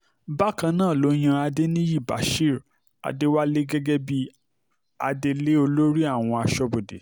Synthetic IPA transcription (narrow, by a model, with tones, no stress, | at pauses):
ba˦kã˧nãː˦˨lo˨˦j̃ã˧a˧de˦nĩ˦ji˦˨ba̰˨˦ʃi˦˨ɾ | a̰˨de˦wa˦le˦ɡɛ˦ɡɛ˦bi˦ | a̰˧de˧le˦o˧lo˦ɾi˦a˦˨w̃ɔ̃˧a˧ʃɔ˧bo˨dḛ˨